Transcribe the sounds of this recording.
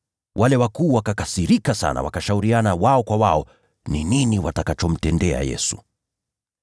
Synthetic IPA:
wʔalɛwakuːwakakasiɾikasa̰na̰wa̰kaʃauɾianawaɔkwawaɔ | nininiwatakat͡ʃɔm̩tɛndɛa̰jɛ̰su

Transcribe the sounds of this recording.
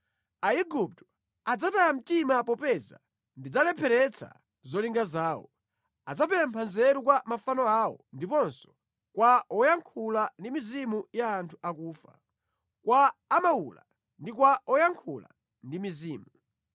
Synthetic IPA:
aiɡup̚tɔ | ad͡zatajam̩timapɔpɛza̰ | ndid͡zalɛpʰɛɾɛt͡sʰa̰ | zɔliŋɡazaːwɔ̰ | ad͡zapɛmpʰanzɛɾukwamafanɔaɔndipɔnsɔ̥ | kwaɔjaŋkʰulandimizimujaːntʰu̥akuːfa̰ | kwaːmaula̰ | ndikwaɔjaŋkʰula̰ | ndimiziːmu

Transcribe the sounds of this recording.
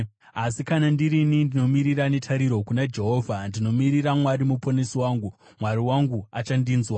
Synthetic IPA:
asikanandiɾinindino̞miɾiɾane̞tʰaɾiɾo̞kunad͡ʒe̞ɦo̞ːvʱandino̞miɾiramwaɾimuponesiwaːŋɡu | mwaɾiwaŋɡuat͡ʃandiːnzwa

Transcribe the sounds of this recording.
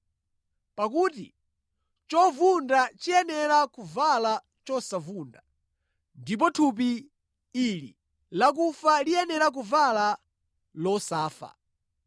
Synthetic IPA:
pakuːtḭ | t͡ʃɔvundat͡ʃijɛnɛɾakuvala | t͡ʃɔsavunda | ndip̬ɔtʰup̬i | ilḭ | lak̬ufalijɛnɛɾak̬uvala | lɔsaːfa̰

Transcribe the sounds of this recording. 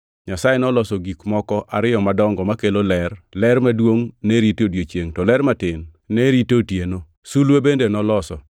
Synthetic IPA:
ɲasajenɔlɔsɔɡikmɔkɔʔaɾɪɔmadɔŋɡɔmakelolɛrlɛrmadwoŋneɾitodjot͡ʃjeŋtɔlɛɾmatɪn | neɾitotjeno | sulwebendenɔlɔsɔ̰

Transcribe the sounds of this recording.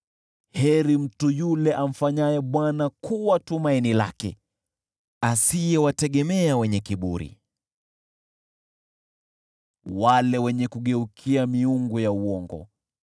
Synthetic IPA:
hɛɾim̩tujulɛʔam̩faɲajɛɓwanakuwatumainila̰kɛ | asijɛwatɛɠɛmɛawɛɲɛkiɓṵɾḭ | walɛwɛɲɛkuɠɛukʰiamiuŋɡujauɔŋɡɔ̰

